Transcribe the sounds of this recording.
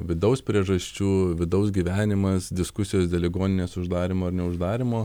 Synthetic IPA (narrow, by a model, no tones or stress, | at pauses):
ʋʲɪd̪ɐʊspʲɾʲiɛʒɐsʲt͡ʃʲuːʋʲɪd̪ɐʊsɡʲiːʋʲæːnʲɪmɐsd̪ʲɪskʊsʲɪjoːsd̪ʲeɛlʲɪɡoːnʲɪnʲeːsʊʒd̪ɑːɾʲɪmoːɐɾnʲɛʊʒd̪ɑːɾʲɪmoː